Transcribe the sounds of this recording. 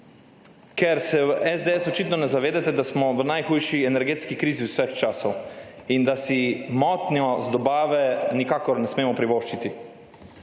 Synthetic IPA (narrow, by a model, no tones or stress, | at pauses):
kɛɾsɛɛzd̪eɛsɔt͡ʃit̪nɔnɛzaʋeːd̪ɛt̪ɛd̪asmɔʋənajxujʃiɛnɛɾɡeːt̪skikɾiːziwsʋəxt͡ʃaːsɔwind̪asimɔːt̪njɔzd̪ɔbaːʋɛnikaːkɔɾnɛsmeːmɔpɾiʋoːʃt͡ʃit̪i